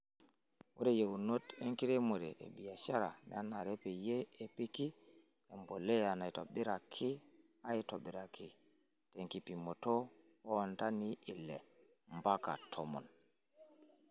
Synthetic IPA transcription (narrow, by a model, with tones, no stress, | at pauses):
wʔo˦ɾe˨je˨wu˨no˦te˦ŋki˦ɾe˦mo˨ɾɛ˨ʔḛ˨bi˨ja˨ʃa˦ɾa̰˨n̰˨a˦na˨ɾe˦pɛ˨jeː˦˨pi˦ki˦ | e˨mbo˨lɛ˦a˨na˨jto̰˨bi˦ɾa˨kʰi˦ | a˦i˦to˨biɾa˨kʰi˨ | teŋki˨pi˨mo˨to˦ | o˦˨nta˦ni˦i˨lːɛ̰˨ | mba˦ka̰˨tʰomɔ̰˨n